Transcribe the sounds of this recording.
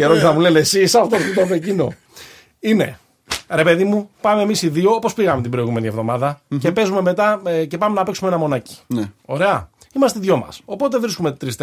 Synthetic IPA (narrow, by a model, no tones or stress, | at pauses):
eɾoniznɐmule̞nesisɐfot̪oɾθit̪omecino̞ | ine̞̰ | ɾe̞pe̞ðimupɐme̞ːmisiðio̞opo̞spiɣɐmet̪ibɾo̞iɣume̞nie̞vðo̞mɐðɐce̞pe̞zume̞me̞t̪ɐce̞pɐmenɐpeksumeenɐmo̞nɐci̥no̞̰ɾe̞ɐ | imɐst̪eðʝo̞mɐ̰so̞po̞t̪̬e̞vɾiskume̞t̪ɾist̪